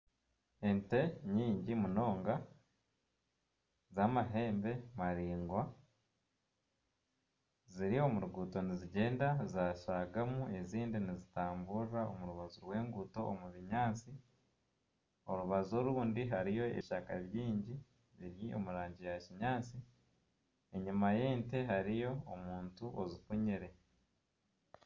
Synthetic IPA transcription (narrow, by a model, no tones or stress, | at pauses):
e̞nte̞ɲiːɲɟimuno̞ːŋɡa | zamaɦe̞ːmbe̞maɾiːŋɡwa | ziɾio̞muɾuɡuːto̞niziɟe̞ːndazaʃaɡamue̞ziːndinizitaːmburiɾao̰muɾuβazuɾwe̞ːŋɡuto̞ʔːmuβiɲaːt͡si | o̞ɾuβazo̞ɾuːndiɦaɾijo̞e̞̰βiʃaka̰βjiːɲɟi | βiɾjio̞̰muɾaːɲɟijaciɲaːt͡si | e̞ɲumaje̞ːnte̞ɦaɾijo̞ːmuːntuʔozifuɲiɾe̞